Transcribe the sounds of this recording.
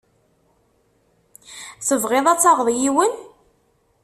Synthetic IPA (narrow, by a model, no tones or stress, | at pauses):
θəvʁeðˤæt͡sːɑʁðˤjiwən